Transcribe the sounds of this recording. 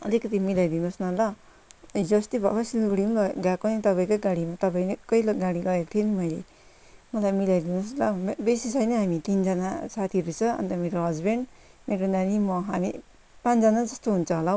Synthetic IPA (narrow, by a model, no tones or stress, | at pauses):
ʌlikʌt̪imilajd̪inosnʌlʌ | d͡zʌst̪ibʱʌ̰kasiluɡɽiunbʌɡakonit̪ʌpaĩkoɡaɽimat̪ʌpaĩnekʌilɡaɽiɡʌet̪ʰienimʌjle | mʌlajmilajd̪inoslʌmbesisʌjnʌɦamit̪ind͡zʌnasat̪ʰiɾut͡sʰʌʌ̰nt̪ʌmeɾoɦʌd͡zbeɳɖ | meɾonanimʌɦami | pãt͡sd͡zʌnad͡zʌst̪oɦunt͡sʰʌɦola